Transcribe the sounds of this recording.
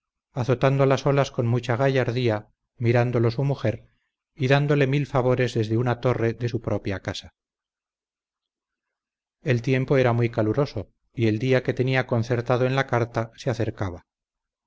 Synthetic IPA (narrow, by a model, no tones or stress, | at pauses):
aθo̞t̪and̪olaso̞lasko̞nmut͡ʃaɣaʝaɾðia | miɾand̪o̞lo̞sumuxe̞ɾ | iðand̪o̞le̞milfaβ̞o̞ɾe̞zðe̞zðeunat̪o̞re̞ðe̞supɾo̞pjakasa | e̞lt̪je̞mpo̞e̞ɾamwijkaluɾo̞so̞ | ie̞ld̪iake̞t̪e̞niako̞nθe̞ɾt̪aðoe̞nlakaɾt̪aseaθe̞ɾkaβ̞a